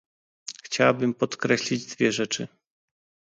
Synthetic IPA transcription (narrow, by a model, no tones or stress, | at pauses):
xt͡ɕawabɘmpɔt̪kɾɛɕlʲid͡ʑd̪vʲjɛʐɛt͡ʂɘ